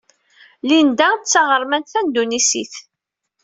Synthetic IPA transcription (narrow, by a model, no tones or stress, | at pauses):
lind̪æt͡sːɑʁəɾˤmænt̪θænd̪unisiθ